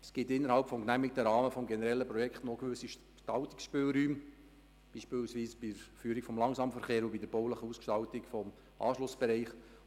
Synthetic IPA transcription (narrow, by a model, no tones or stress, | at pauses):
sɡ̥ɪtɪnːəɾhɑlpfɔmknæmɪk̚t̪əɾɑːməfɔmɡɛnəɾɛlːəpɾɔjɛkχtnoɡʋɵsiʃ | ʃtɑlt̪ɪ̥ksʃpøːlɾyːm | b̥iːʃpɪːlsʋiːsb̥iəɾfyːɾikfɔmlɑŋsɑːmfəɾχeːɾubidəɾb̥oʊləχəuːskʃtɑltɪkfɔm | ʔɑ̰ːʃlʊsb̥ɛɾɛɪχ